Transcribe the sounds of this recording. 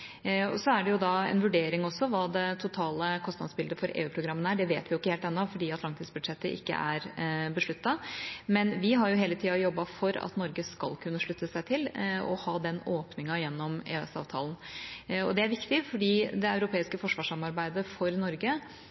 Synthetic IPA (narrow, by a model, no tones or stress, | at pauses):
ɔ̰sɔæɖɛjʊd̪ɑɛ̰nʋʉɖeːɾɪŋɔsːɔʋɑːd̪ɛt̪ʰʊt̪ʰɑːləkʰɔst̪nɑ̰d̪sbɪld̪əfɔɾʔḛːʉːpʰɾʊɡɾɑmːənəæɖɛʋeːt̪ʋɪjʊɪkːəheːlt̪ɛnːɔfɔɖiːɑt̪lɑnt̪ɪsbʉd̪ʂɛt̪ːəʔɪ̰kːə̰ʔæɾbəʂɭʉt̪ːɑmɛnʋɪɦɑɾjʊɦeːlət̪ʰiːɑjɔbːɑfɔɾɑ̰t̪nɔɾɡəskɑ̰lkʰʉnːəʂɭʉt̪ːəsæɪt̪ʰɪlɔ̰hɑːd̪ɛnoːpnɪŋɑjɛnːɔmḛːɛ̰sɑ̰ːʋt̪ʰɑ̰ːlnɔ̰d̪ɛæɾʋɪkt̪ɪfɔɖiːd̪ɛɑʉɾʊpʰeːɪskəfɔʂʋɑːʂɑmɑɾbæɪd̪əfɔɾnɔɾɡə